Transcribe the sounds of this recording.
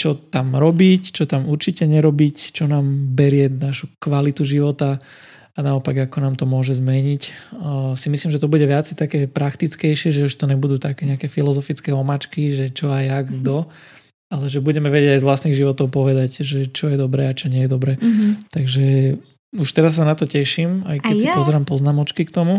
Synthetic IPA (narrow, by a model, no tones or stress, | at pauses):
t͡ʃɔt̪amɾɔbict͡ʃɔt̪amuɾt͡ʃicɛɲɛɾɔbict͡ʃɔnaːmbɛɾɪɛnaʃukʋalit̪uʒiʋɔt̪a | anaɔpaɡakɔnaːmt̪ɔmʊɔʒɛzmɛɲic | simislimʒɛt̪ɔbuɟɛʋɪat͡sɛt̪akɛːpɾakt̪it͡skɛjʃɪɛʒɛuʃt̪ɔɲɛbud̪uːt̪akɛːɲɛakɛːfilɔzɔfit͡skɛɔmat͡ʃkiʒɛt͡ʃɔajaɡd̪ɔ | alɛʒɛbuɟɛmɛʋɛɟɛɟajzʋlasniːɣʒiʋɔt̪ɔʊpɔʋɛd̪acʒɛt͡ʃɔjɛd̪ɔbɾɛːat͡ʃɔɲɛjɛd̪ɔbɾɛːt̪aɡʒɛ | uʃt̪ɛɾasːanat̪ɔcɛʃima̰jkɛsipɔzɛɾaːmpɔznamɔt͡ʃkikt̪ɔmu